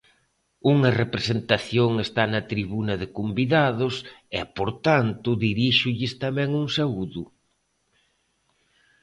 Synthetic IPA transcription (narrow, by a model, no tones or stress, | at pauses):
uŋɐrepɾesent̪aθjoŋest̪anɐt̪ɾiβunɐðɪkombiðaðʊsɛpoɾt̪ant̪ʊðiɾiʃʊʎɪst̪ɐmɛŋuŋsauðʊ